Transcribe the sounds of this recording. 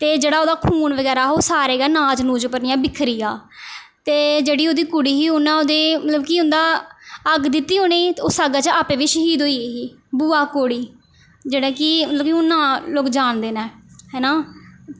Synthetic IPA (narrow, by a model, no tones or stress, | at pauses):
t̪eːd͡ʒeːɽaːoːd̪aːkʰuːnʋəɡɛːɾaːoːsaːɾeːɡaːnaːd͡ʒnũːd͡ʒpəɾnɪjãːbɪkʰɾiːjaːt̪eːd͡ʒeːɽiːoːd̪iːkʊɽiːɦiːʊnãːoːd̪eːmət̪ləbkiːʊnd̪aːəɡd̪ɪt̪ːiːɦoːneːoːsaːɡat͡ʃaːpẽːʋɪt͡ʃɦiːd̪oːiːeːɦiː | buːaːkoːɽiː | d͡ʒeːɽãːkimət̪ləbkiʊnːãːloːkd͡ʒaːɳd̪eːnɛːɦɛːnaː